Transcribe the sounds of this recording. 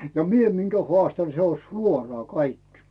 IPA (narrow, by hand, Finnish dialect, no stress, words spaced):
jɑ mie miŋkæ hoɑˑstɑn se on̞ suorɑː kɑikːi̥